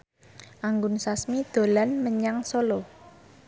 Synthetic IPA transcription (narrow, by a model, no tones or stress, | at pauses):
ʔaŋɡʊnsasmid̪̥o̤lanməɲaŋsolo